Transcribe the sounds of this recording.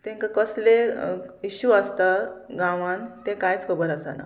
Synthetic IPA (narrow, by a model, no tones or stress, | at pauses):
t̪ẽŋkakəsleiɕuast̪aɡãʋant̪ẽkajt͡skʰəbəɾasa̰na̰